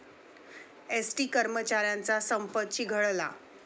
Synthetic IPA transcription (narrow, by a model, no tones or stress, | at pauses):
esʈiːkəɾmət͡ɕaɾjant͡sasəmpət̪ɕiːɡʱəɭla̰